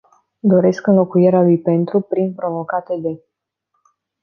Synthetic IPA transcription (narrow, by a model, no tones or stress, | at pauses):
d̪o̞ɾe̞skɨnlo̞kujeɾealujpe̞nt̪ɾupɾinpɾo̞vo̞kat̪e̞d̪e̞